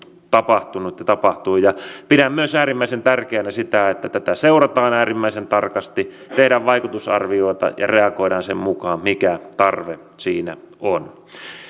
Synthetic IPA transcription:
t̪ɑpɑht̪unut̪jɑt̪ɑpɑht̪uijɑpidæmmyøsæːrimːæˑisent̪ærkeænæsit̪æet̪ːæt̪æt̪æseurɑt̪ɑːnæːrimːæisent̪ɑrkɑst̪i | t̪ehɾæʋʋɑikut̪usɑ̰rʋioˑit̪ɑ̰jɑ̰reɑkoiɾɑːnsemmukɑːmmikæt̪ɑrʋe | siːnæ̰ | on

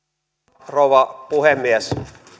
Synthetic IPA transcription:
rouʋɑpuhemːies

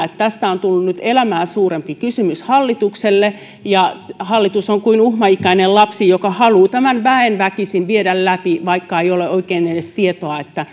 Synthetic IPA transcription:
et̪t̪æst̪æont̪ulːunnyt̪elæmæːsuːrempikysymyshɑlːit̪ukselːe | jɑhɑlːit̪usoŋkuinuhmɑikæinellɑpsijokɑhɑluːt̪æmænʋæenʋækisinʋieɾællæpiʋɑikːɑeijoleʔoikeːnenest̪iet̪oɑet̪ːæ

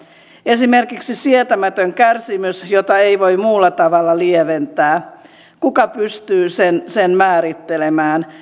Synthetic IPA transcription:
e̞sime̞rkiksisiet̪æmæt̪øŋkærsimysjot̪ɑeiʋo̞jmuːlːɑt̪ɑʋɑlːɑlieʋent̪æː | kukɑpyst̪yːsensenmæːɾit̪ːelemæːn

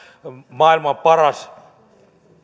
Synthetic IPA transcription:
maːilmɑpɐɾas

